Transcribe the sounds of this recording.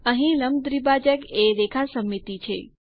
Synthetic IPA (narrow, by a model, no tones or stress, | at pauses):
əɦĩləmd̪ɾibad͡ʒəɡeɾekʰasəmːit̪it͡ʃʰḛ